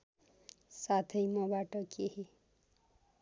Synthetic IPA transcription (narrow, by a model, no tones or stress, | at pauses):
sat̪ʰʌjmʌbaʈʌkeɦi